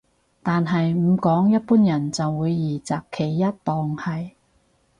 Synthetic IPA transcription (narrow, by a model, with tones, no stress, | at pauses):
t̪aː˨nɦɐ˨jm̩˨˧kɔː˨˥ŋjɐ˥t̚puː˥njɐ˨˩nt͡sɐ˨wːuː˨˧jːiː˨˩t͡saː˨˩kʰe˨˩jːɐ˥t̚t̪ɔː˨˧ŋhɐ˨j